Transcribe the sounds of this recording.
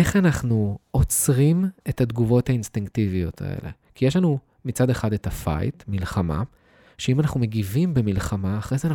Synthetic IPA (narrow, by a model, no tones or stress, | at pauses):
e̞χanaχnuo̞t͡sʁime̞tadɡuvo̞thainstiŋktivijo̞tʰa̰ḛlʔe̞̰ | kijeʃlanu | mit͡sade̞χadetafa̰jtmilχama̰ | ʃeimanaχnume̞ɡivimbemilχamaːχʁezeana